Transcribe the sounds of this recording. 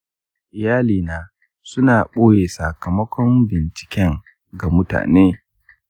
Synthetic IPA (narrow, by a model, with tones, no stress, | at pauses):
ʔɪ˨jaː˦liː˨naː˨ | sʊ˦naː˨ɓoː˦jeː˨sa˨kɐ˨mɐ˦kʷɔ˦mbɪ˨nt͡ʃɪ̥˨kʲɛ˦ŋ | ɡa˨mʊ˦ta̰ː˨neː˦